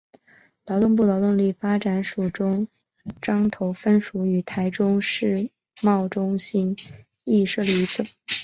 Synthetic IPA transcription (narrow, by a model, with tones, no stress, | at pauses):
lɑ˧˥ʊt̪ʊ˥˧np̬u˥˩lɑ˧˥ʊt̪ʊ˥˧ŋli˥˩fa˥ʈ͡ʂa˨˩nʂu˨˩ʈ͡ʂʊ˥ŋ | ʈ͡ʂɑ˥ŋt̪ʰo˧˥ʊfə˥nʂu˧˥y˨˩t̪ʰa˧˥ɪʈ͡ʂʊ˥ŋʂɻ̩˥˧ | mɑ˥˩ʊʈ͡ʂʊ˥ŋɕi˥n | i˥˧ʂɤ˥˩li˧˥t͡s̩ʰ˥˩